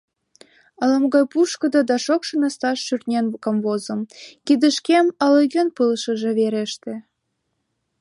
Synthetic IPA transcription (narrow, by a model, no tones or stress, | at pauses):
ɤ̆lə̆mɡɑjpuʃkɤ̆d̪od̪ɑʃokʃə̆nəst̪ɑʃːyrt̪̚ʲnʲenkɤ̆mβozɤ̆mkid̪ə̆ʃkemə̆lɤɣʲønpɯlʃə̆ʒĕβeɾeʃt̪ĕ